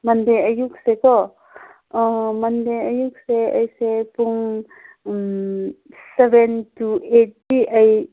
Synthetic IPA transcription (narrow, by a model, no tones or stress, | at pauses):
mɐnd̪eəjuksekɔ | mɐnd̪ejəjukseə̰jsepuŋ | sebenʈueʈːiʔəj